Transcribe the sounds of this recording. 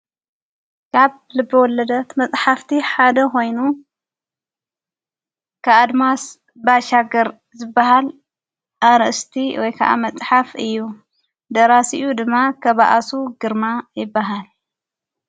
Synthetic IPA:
kʰaβ | lɨbːɐwɔlɐd̪ɐt̪mɐt͡sʼħaft̪ʰiħad̪ɐko̞jnu | kʰaʔad̪mas | baʃaɡɐɾ | zɨbːaɦal | ʔaɾɐʔst̪ʰiwɔjkʰaʔa̰mɐt͡sʼħafɨjːu | d̪ɐɾasiʔud̪ɨmːakʰɐβaʔasuɡɨɾmajɪbːaɦal

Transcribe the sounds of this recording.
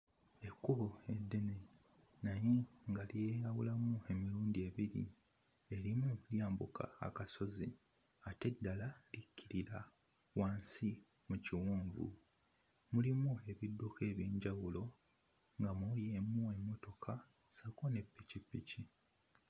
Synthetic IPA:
e̞kːuβoe̞dːe̞ne | najeŋɡalijejawulamue̞miɾuːndie̞βiɾḭ | e̞ɾimuljaːmbukʰa̰ːkaso̞zi | ate̞dːalalicʰːiɾiɾa | waːnsi | muciwuːɱvṵ | mulimue̞βidːoke̞ːβjiːɲɟawulo̞ | ŋɡamujemue̞mːo̞to̞kʰa | sakone̞pːicipːici

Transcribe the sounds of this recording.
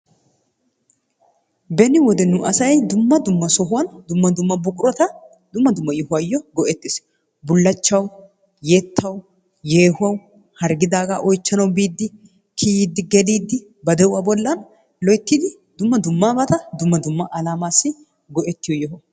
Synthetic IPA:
bɛnɪwɔd̪ɛnʊʔɐsɐjjd̪ʊmːɐd̪ʊmːɐsɔɦʊwɐnd̪ʊmːɐd̪ʊmːɐbʊɡʼʊɾɔt̪ɐ | d̪ʊmːɐd̪ʊmːɐjɔhʊɐjːɔɡɔʔɛt̪ːɪs | bʊlːɐt͡ʃːɐw | jɛt̪ʰːɐw | jeːhʊɐw | hɐɾɡɪd̪aːɡaʔɔjt͡ʃːɐnɐwbiːd̪ːɪ | kʰid̪ːɪɡɛdiːd̪ːɪ | bɐd̪ɛʊwabɔlːɐn | lɔjt̪ːid̪ɪ | d̪ʊmːɐd̪ʊmːaːbɐt̪ɐd̪ʊmːɐd̪ʊmːɐʔɐlaːmaːsːɪ | ɡɔʔɛt̪ːɪjɔjɔɦɔ

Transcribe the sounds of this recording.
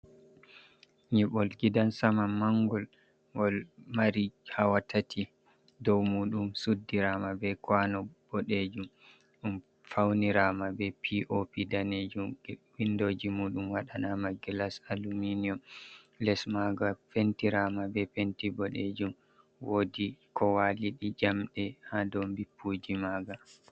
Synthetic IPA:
ɲɛɓɔlɡidansamamaŋɡɔl | ɡɔlmaɾihawatʰatʰi | dɔwmuːɗumsudːiɾamabɛkwanɔb̥ɔɗed͡ʒum | ɗum | fawniɾamabɛpʰiʔopidaned͡ʒumwindoːd͡ʒimuːɗumwaɗanamaɡilasaluminiɔm | lɛsmaɡafentiɾamabɛfentibɔɗed͡ʒum | woːdikɔwaliɗid͡ʒamɗɛhadɔmbipʰːud͡ʒimaːɡa

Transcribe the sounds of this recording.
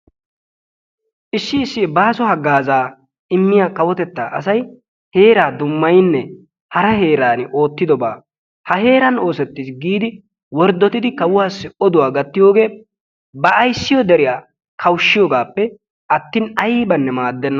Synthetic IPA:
ʔɪsːɪːsːɪɛbaːsɔhɐɡaːzaː | ɪmːɪjaːkɐwɔt̪ɛt̪ːa̰ːʔɐsɐj | he̞ːɾaːd̪ʊmːɐjnːɛ | hɐɾɐɦe̞ːɾaːnɪʔo̞ːt̪ːɪd̪ɔbaː | hɐɦe̞ːɾɐno̞ːsɛt̪ːɪsɡiːd̪ɪ | wɔɾd̪ːɔt̪ɪd̪ɪkɐwʊwaːsːɛɔd̪ʊwaːɡɐt̪ːɪjo̞ːɡe̞ː | bɐʔːjsːɪjɔd̪ɛɾɪjaː | kʰɐwʃːɪjoːɡaːpːɛ | ɐt̪ːɪːnɐjɪbɐnːɛmaːd̪ːɛnːɐ

